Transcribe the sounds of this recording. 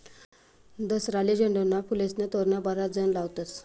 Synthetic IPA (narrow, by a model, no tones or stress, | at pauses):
d̪əsɾalid͡ʑəɳɖonːapulesnet̪oɾnabaɾad͡zənlaʋt̪ət͡s̪